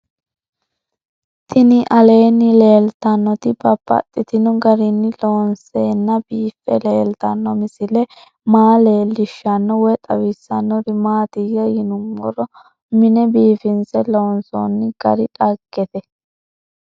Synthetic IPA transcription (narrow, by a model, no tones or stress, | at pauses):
t̪ɪnɪʔɐle̞ːnːɪle̞ːlt̪ɐnːɔt̪ɪbɐb̥ːɐ̰t̪ʼːɪt̪ɪnʊɡɐɾɪnːɪloːnseːnːɐbiːfːɛ̰leːlt̪ɐnːɔmɪsɪlɛ | maːle̞ːlːɪʃːɐnːɔwɔt̪ʼɐwɪsːɐnːɔd̪ɪmaːt̪iɡɐjɪnʊmːɔɾɔ | mɪnɛbiːfɪnsɛloːnso̰nːɪɡ̥ɐ̰ɾɪᶑɐɡːɛt̪ɛ